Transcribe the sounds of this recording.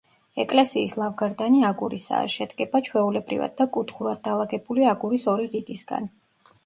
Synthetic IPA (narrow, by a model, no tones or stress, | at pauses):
ɛkʼlɛsiːslˠavɡaɾd̪aniaɡuɾisa̰ːʃɛd̪ɡɛbat͡ʃʰwɛulɛbɾḭva̰d̪ːakʼut̪χuɾad̪̚d̪alˠaɡɛbuliaɡuɾisɔɾiɾiɡisɡa̰n